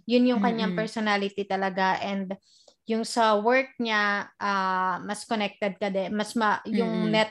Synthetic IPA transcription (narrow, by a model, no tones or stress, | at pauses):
jʊnjʊŋkɐɲːaŋpɛɹsonalɪt̪it̪ɐlɐɡaʔɛnd̪ | jʊŋsɐwɛɹk̚ɲaʔaːmɐskonɛk̚t̪ɛd̪̚kɐd̪ɛmɐsmɐjʊŋnɛ